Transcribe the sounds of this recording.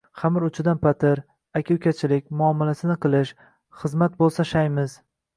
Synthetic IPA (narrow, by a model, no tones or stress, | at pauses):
χamɪɾʊt͡ʃʰɪd̪anpat̪ʰɪɾ | akʲʰɪkʲʰat͡ʃʰɪlɪk̚ʲmʊamːalasɪnɪqɨlˠɪʃ | χɨzmat̪̚bolˠsaʃajmɪz̥